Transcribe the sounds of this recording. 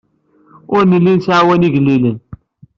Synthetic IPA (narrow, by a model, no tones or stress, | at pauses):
ʊɾnəlːinsʕawæniʝlːilən